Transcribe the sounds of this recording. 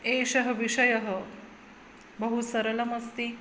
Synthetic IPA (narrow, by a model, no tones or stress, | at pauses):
eːʃɐɦɐ̆ʋiʂɐjɐɦə̆ | bɐɦusɐɾɐlɐmɐst̪i